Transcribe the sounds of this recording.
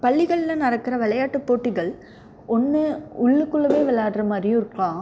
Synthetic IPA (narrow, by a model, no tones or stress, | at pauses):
pɐɭːɪɣɐɭɪlɐnɐɾɐkːɪɾɐʋɐɭɐjaːʈːɯpːoːʈːɪɣɐɭ | ʔɔnːɯʊɭːɯkːɯɭːɐmeːʋɪɭːaːʈɾɐmaːd̪ɾɪj̃ɪɾɯkːlãː